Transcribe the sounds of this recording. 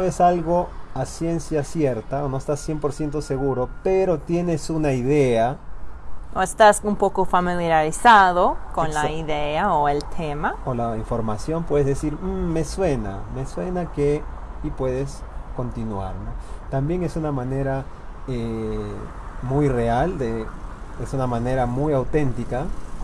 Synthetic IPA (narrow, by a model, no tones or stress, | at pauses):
oesalɣo̞asje̞nsjasje̞ɾt̪aono̞est̪asːje̞mpo̞ɾsje̞nt̪o̞se̞ɣuɾo̞pe̞ɾo̞t̪je̞ne̞sunaiðe̞a | oest̪asumpo̞kofamiljaɾisaðo̞konlaiðeaoelt̪ʰemaolaiɱfo̞ɾmasjo̞mpwe̞ðezðesiɾm̩ːe̞swe̞na̰me̞swe̞nakeipwe̞ðe̞sko̞nt̪inwa̰ɾnot̪ambje̞ŋe̞sunamãne̞ɾa | e | mujre̞ald̪eesunamãne̞ɾamujawt̪e̞nt̪ika